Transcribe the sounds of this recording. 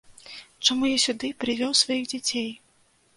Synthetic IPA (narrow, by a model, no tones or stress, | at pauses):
t͡ʂamujasʲud̪ɨpɾɨvʲɔwsvajiɣd͡zʲat͡sʲej